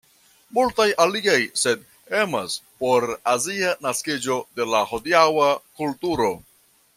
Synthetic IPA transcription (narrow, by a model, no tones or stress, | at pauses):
multajʔaliɡajse̞d | emaspo̞ɾazianaskid͡ʒo̞de̞laho̞diawakultuɾo̞